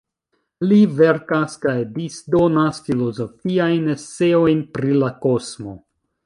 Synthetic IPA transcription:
live̞ɾkaskajdisdo̞nasfilo̞zo̞fiajnest͡se̞o̞jnpɾilako̞smo̞

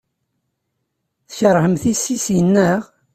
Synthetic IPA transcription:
θçəɾˤhəmθisisjənːæʁ

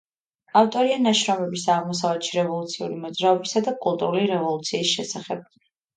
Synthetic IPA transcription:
aft̪ʼɔɾianaʃɾɔmɛbisaʁmɔsavlɛt̪ʃiɾɛvɔlˠut̪sʰiṵlimɔd̪zɾaɔbisad̪akʼulˠt̪ʼuɾuliɾɛvɔlˠut̪sʰiːsʃɛsaχɛb̥̚

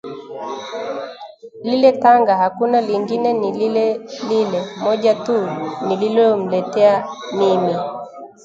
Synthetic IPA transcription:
lilɛtaŋɡahakunaliŋɡinɛnililɛlilɛmɔʄatunililɔɔm̩lɛtɛamimi

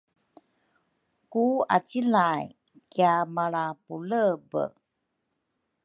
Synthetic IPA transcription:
kua̰t͡silaj | kiamaɭapuləbə̰

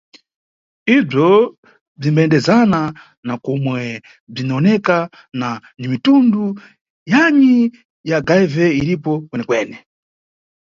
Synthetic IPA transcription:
ib͡ʐɔ | b͡ʐimbaɛndɛzana | nakɔmwɛ | b͡ʐinaɔnɛka | nanimitundu | jaɲi | jaɡajvɛiɾipɔkwɛnɛkwɛːnɛ

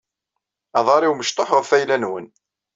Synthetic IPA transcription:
ɑðˤɑɾˤiwməʃt̪ˤoħʁəfæjlænwən

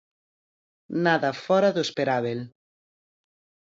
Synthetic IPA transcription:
naðɐfɔɾɐðospeɾaβel

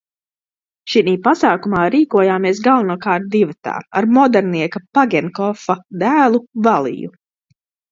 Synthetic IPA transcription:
ʃiniːpasaːkumaːɾiːkuɔjaːmiɛs̬ɡalˠvunuɔkaːɾt̪̚d̪ivat̪a̰ːa̰ɾmɔd̪ɛɾniɛkapaɡʲɛnkɔfad̪æːlˠuvalˠḭjṵ

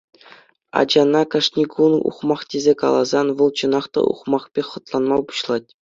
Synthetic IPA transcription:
ɑ̰d͡ʑɑnɑkɑʂnʲikunṵχmɑχtʲezʲekɑ̰lˠɑzɑnʋɤ̆lˠt͡ɕɤ̆nɑχt̪ɑ̰ṵχmɑχpʲeχɤ̆t̪lˠɑnmɑlˠpu̥ɕlˠɑt̚ʲ

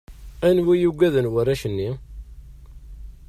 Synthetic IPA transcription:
ænwijuɡʷæðənwəræʃənːi

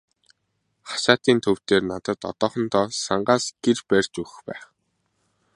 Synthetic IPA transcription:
χḁʃaːt̪iːnt̪ʰɵw̥t̪eːrnat̪ə̆t̪ɔ̰t̪ɔːχɞ̆nt̪ʰɔːsaɴɢaːsɡ̥erpærʲt͡ɕɵɣɘ̆xpæ̰ːχ

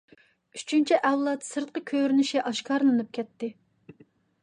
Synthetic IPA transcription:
yt͡ʃʰynt͡ʃʰiʔɛwlˠɑt̪sɨɾt̪̚qəkʲʰøɾynyʃʲɛʔɑʃkʰɑɾlˠɨnɨp̚kʲʰɛt̪ːɪ

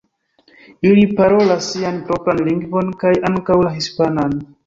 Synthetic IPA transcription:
ilipaɾo̞lasːianpɾo̞pɾanliŋɡvo̞nkajʔaŋkawlaɦispanan

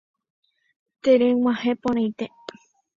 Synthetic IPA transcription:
t̪eɾewãhepõɾ̃ãjt̪e

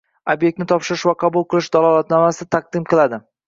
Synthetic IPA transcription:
objek̚t̪nɪt̪ʰɒpʃɪɾɪʃvaqʰɑbulˠqʰɨlˠɪʃd̪alˠɒlˠat̪nɒmasɪt̪ʰaq̚d̪ɪmqʰɨlˠad̪ɪ

